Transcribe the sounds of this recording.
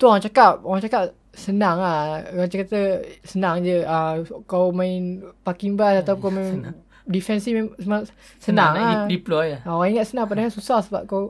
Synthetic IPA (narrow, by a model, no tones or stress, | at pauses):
t̪uoɣaŋt͡ʃakap̚oɣaŋt͡ʃakap̚ | sənaŋahɣaŋt͡ʃakat̪əsənaŋd͡ʒəəkawmãinpakiŋbasat̪aukawmin | difɛnsimɛməma | sənãŋadiplɔjoɣaŋiŋat̪sənãŋp̬adaŋasusahsəba̰p̚kaw